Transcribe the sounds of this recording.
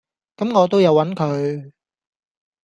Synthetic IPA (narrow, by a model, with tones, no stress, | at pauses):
kɐ˨˥mŋɔː˨˧t̪o˥wjɐ˨˧wːɐ˨˥nkʰɵ˨˧ɥ